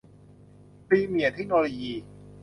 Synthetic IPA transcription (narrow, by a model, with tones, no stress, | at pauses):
pɾiː˧mi˨˩˦t̪ʰe˦˥k̚noː˧loː˧jiː˧